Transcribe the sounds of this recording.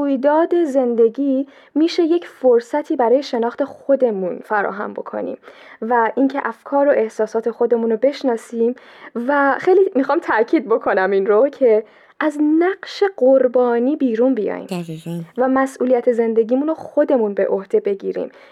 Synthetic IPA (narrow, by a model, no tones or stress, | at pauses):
ujd̪ɒːd̪e̞ze̞nd̪e̞ɟiː | miːʃe̞je̞cʰfoɾsæt̪ʰiːbæɾɒːjeʃe̞nɒːxt̪ʰe̞xo̞d̪e̞munfæɾɒ̰ːɦæ̰mbo̞̰kʰo̞̰nḭmvæʔincʰe̞ʔæfkʰɒːɾo̞ʔe̞hsɒːsɒːt̪ʰe̞xo̞d̪e̞muːnobe̞ʃnɒːsiːm | væxejliːmixɒːmt̪ʰæcʰiːd̪̚bo̞kʰo̞næminɾo̞cʰe̞ | ʔæznæɢʃe̞ɢoɾbɒːniːbiːɾunbijɒ̰ːjḭmvæmæsʔuːlijæt̪ʰeze̞nd̪e̞ɟiːmuːnoxo̞d̪e̞munbe̞̰ʔo̞hd̪e̞be̞ɟḭːɾḭːm